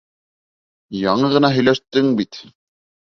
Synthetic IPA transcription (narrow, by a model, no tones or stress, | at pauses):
jɑɴɤʁɤ̆nɑɦɵ̆jlæʃt̪ɘŋbit̪